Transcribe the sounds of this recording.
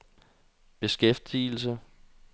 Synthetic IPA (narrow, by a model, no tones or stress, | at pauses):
b̥e̝sɡ̥ef̚d̥ḭːl̩s̬ə